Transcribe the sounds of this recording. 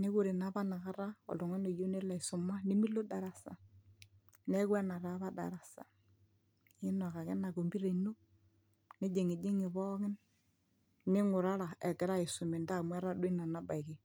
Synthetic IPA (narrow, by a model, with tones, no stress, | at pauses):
ne˦ku˦ɾe˨na˨˦ba˦na˨ka˦ɾa˦ɔ̰˨lo˨ŋɛ˦no˨jo˦ne˦la˨i˨sʊ˨ma˦ni˦mi˦lo˦da˨ɾa˨sa̰˨ | nɛ˦kwɛ˦na˨ɾa˦βa˦da̰˨ɾa˨sa̰˨ | ɪ˦nɔ˨ka˨kɛ˦na˨ɡo˨mbi˦ɾe˨no˦ | ne˦d͡ʒe˨ŋi˨d͡ʒe˦ŋɪ˨βɔ˦kɪ˦n | nɪ˦ŋʊ˨ɾa˦ɾa˨ɛ˨kɪ˨ɾa˦ɪ˨sʊ˨me˨nda˦˨mwɛ˦ɾa˦dwi˦na˨na˦ba˨i˨kɪ˨